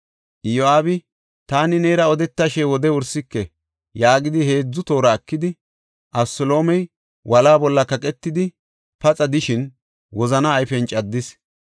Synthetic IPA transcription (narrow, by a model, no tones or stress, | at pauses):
ʔɪjoaːbɪ | t̪aːnɪneːɾɐɔd̪ɛt̪ːaʃɛwɔd̪ɛʊɾsɪkːɛ | jaːɡɪd̪ɪhe̞ːd͡zːʊt̪o̞ːɾɐːkːɪd̪ɪ | ʔɐbsɔlo̞ːmɛj | wʔɐlaːbɔlːɐkɐkʼɛt̪ːɪd̪ɪ | pɐt͡sʼɐd̪ɪʃɪn | wɔzɐnɐːjfɛnt͡ʃʼɐd̪ːɪs